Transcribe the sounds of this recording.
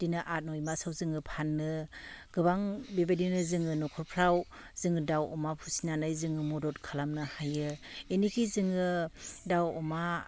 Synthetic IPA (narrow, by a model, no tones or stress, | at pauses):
d̥inɯʔat̚nɔjmasawzɯŋɯpʰanːɯɡ̥ɯbaŋbibadinɯzɯŋɯnɔkʰɔɾpʰɾaw | z̥ɯŋɯdawɔmapʰusinanajzɯŋɯmɔdɔtkʰalamnɯhajɯenikʰizɯŋɯdawɔma